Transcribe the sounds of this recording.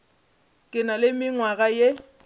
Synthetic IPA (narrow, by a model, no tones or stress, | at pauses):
kʼɪnalɪmɪŋwaɣaje